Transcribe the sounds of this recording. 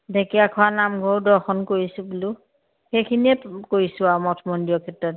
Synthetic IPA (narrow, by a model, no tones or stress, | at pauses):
dʱekiakʰʊanamɡʱowdɔxɔnkoɹisubulu | xejkʰiniɛkoɹisʊamɔtʰɔmondijɔkʰɛtɹɔt̚